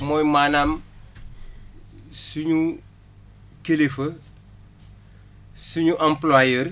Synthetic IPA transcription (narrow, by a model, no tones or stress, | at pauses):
mojmaːnaːm | suɲu | kelefɐ | suɲuʔãmplwajeɾ